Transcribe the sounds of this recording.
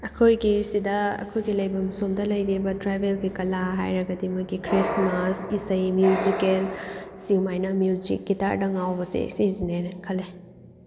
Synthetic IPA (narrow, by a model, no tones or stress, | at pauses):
ɐkʰojɡisidɐɐ̰kʰojɡilɐjbɐmsomdɐlɐjɾibɐtɾajbʱelɡikɐlaɦa̰jɾɐɡɐdimujɡikʰɾismasisɐjmjuzikelsiwmajnɐmjud͡ʒḭk̚ːita̰ɾdɐŋawbɐsḭsizinenɐkʰɐlːe